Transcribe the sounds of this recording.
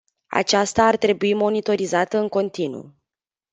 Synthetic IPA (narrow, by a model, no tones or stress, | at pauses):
a̰t͡ʃast̪aːrt̪ɾe̞buimo̞nit̪o̞ɾizat̪əɨŋko̞nt̪inṵ